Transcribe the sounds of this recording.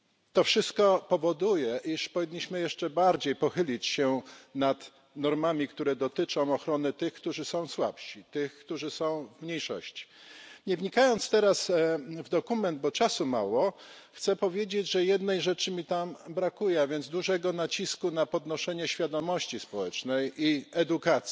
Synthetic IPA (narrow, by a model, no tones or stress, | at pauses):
t̪ɔfʂɘst̪̚kɔpɔvɔd̪ujɛʔiʂpɔvʲiɲːiɕmɘjɛʂt͡ʂɛbaɾd͡ʑejpɔxɘlʲit͡ɕɕɛnat̪ | nɔɾmamʲikt̪uɾɛd̪ɔt̪ɘt͡ʂɔ̃w̃ɔxɾɔnɘt̪ɘxkt̪uʐɘsɔ̃w̃swa̰pʂit̪ɘxkt̪uʐɘsɔ̃w̃vmɲejʂɔ̰ɕt͡ɕi̥ɲɛvɲikajɔnt̪st̪ɛɾasvd̪ɔkumɛnd̪̚bɔt͡ʂasuma̰wɔxt̪sɛpɔvʲjed͡ʑed͡ʑʐɛjɛd̪nɛjʐɛt͡ʂɘmʲit̪ambɾakujɛavʲjɛnd̪zd̪uʐɛɡɔnat͡ɕiskunapɔd̪nɔʂɛɲɛɕfʲjad̪ɔmɔɕt͡ɕispɔwɛt͡ʂnɛjiɛd̪ukat̪si